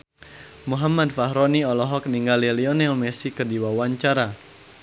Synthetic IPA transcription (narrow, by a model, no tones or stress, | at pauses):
muɦamadfaɦɾɔniɔlɔɦɔk̚niŋɡaliliɔnɛlmɛsikərdiwawaɲt͡ʃaɾa